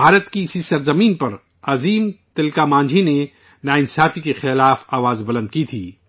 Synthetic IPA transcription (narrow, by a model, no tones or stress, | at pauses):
bʱaːɾət̪kisisɐɾzɐmĩːnpɐɾ | ɐziːmt̪ɪlkamãːɲd͡ʒʱine | naːɪnsaːfikexɪlaːfaːʋaːzbɐlə̃nd̪̚kit̪ʰiː